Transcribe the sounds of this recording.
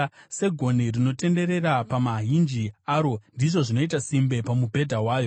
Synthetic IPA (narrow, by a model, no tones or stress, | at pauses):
se̞ɡʱo̞nirino̞te̞nde̞ɾe̞rapamaɦind͡ʒiaːɾo̞ndiʐo̞ʐino̞itasimbe̞pamubʱe̞dʱawaːjo̞